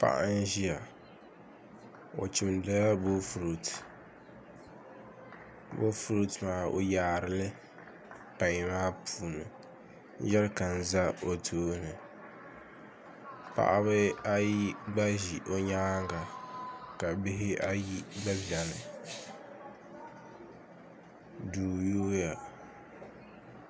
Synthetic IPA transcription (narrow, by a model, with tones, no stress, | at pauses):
pa̰˦ʔa̰˦n˦ʒi˦ja˨ | o̰˨t͡ʃi˨mda˦a˦bo˦fɾu˨t | bo̰˦fɾu˦tmaː˨o̰˦jaː˨˦ɾɨ˦lɨ˦ | pa˨ɲ˨maː˦pʰuː˨nɨ̰˨˦ | ʒɛ˦lka˨n̩˨za˦o˨tʰuː˦nɨ˨ | pa̰˨ʔa˦βɨ˦a˦ji˦ɡ͡ba˦ʒi˨ʔo˦ɲaː˦ŋɡa˨ka˨bɪ˦ɦɪ˦ʔa˦ji˦ɡ͡ba˦bja˨nɨ˨ | duː˨joː˦ja˨